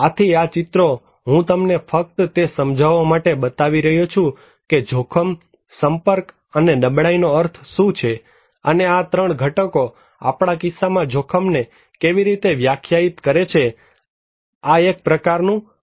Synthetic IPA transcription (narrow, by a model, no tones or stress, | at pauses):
at̪ʰiat͡ʃɪt̪ɾo | ɦũt̪əmnefək̚t̪t̪esəmd͡ʒʱaʋːamaʈebət̪aʋiɾəɦjot͡ʃʰũ | ked͡ʒʱokʰəm | səmpəɾk | ənenəbɽainoəɾt̪ʰsũt͡ʃʰe | əneat̪ɾəɳ̃ɡʱəʈəko | a̰pɽ̃akɪsːamãd͡ʒʱokʰəmne | keʋiɾit̪eʋjakʰjait̪kəɾet͡ʃʰe | aek̚pɾəkaɾnũ